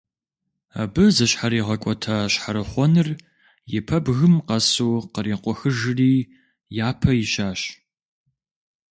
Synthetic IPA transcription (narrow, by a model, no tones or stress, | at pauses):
a̰bɨzɐɕħaɾiːʁɐkʷʼɔtʰaɕħaɾɨχʷɔnɨr | jɪpʰɐbɣɨmqɐsuːqəɾiːqʷɔxɨʒɨriː | jaːpʰɐjɪʃaːɕ